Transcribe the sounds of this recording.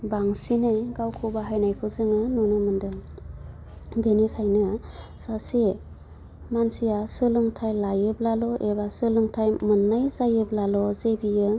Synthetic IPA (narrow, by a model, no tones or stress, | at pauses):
baŋsinɯjɡawkʰubaɦajnajkʰɯzɯŋɯnɔnɯmɯndɯŋ | benikʰajnɯ | sase | mansijasɯlɯŋtʰajlajɯblalɔʔebasɯlɯŋtʰajmɯnːajzajɯblalɔzebijɯ